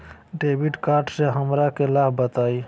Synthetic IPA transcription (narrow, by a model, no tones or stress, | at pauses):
ɖebiɖkaːɾɖseɦəmɾakelabbət̪ai